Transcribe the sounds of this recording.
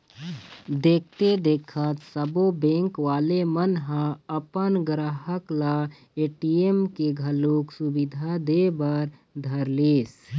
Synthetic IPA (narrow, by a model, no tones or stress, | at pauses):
d̪eːk̚ʰt̪ed̪eːkʰət̪səbobẽːŋkʋaːlemənɦãəpənɡɾaɦəkla | eːʈiemkeɡʱəluːksubid̪ʱad̪ebəɾd̪ʱəɾleːs